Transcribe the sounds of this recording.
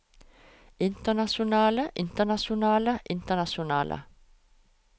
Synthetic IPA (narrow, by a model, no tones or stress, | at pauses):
ɪnt̪ənasʊnɑːləʔɪnt̪ənaʃʊnɑːləʔɪnt̪ənaʃʊnɑ̰ːlʔə̰